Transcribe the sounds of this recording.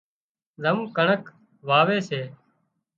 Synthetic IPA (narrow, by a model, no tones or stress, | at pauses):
zəmũːkəɳək | ʋaːʋeːseː